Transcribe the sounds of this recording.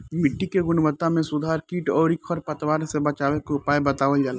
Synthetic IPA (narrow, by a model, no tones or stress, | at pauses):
mɪʈːikeɡʊnʋət̪ːamẽsʊd̪ʱaːɾkiːʈɔːɾikʰɔɾpət̪waːɾsebɐt͡ʃaːwekeʊpaːjbɐt̪aːʋəld͡ʒaːla